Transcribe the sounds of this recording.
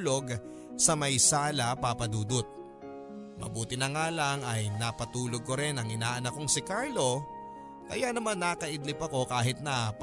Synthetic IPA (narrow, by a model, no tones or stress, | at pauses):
lo̞ɡ | sɐmɐjsaːlɐpapɐd̪uːd̪ot̪̚ | mɐ̰buːt̪ɪnɐŋaːlaŋɐjnapɐt̪uːloɡ̚koɾɪnɐŋɪnaːʔɐnɐkoŋsɪkaɹlo̞ | kɐ̰janɐmanːakɐʔɪd̪lɪpɐko̞kaːɦɪt̪̚nɐp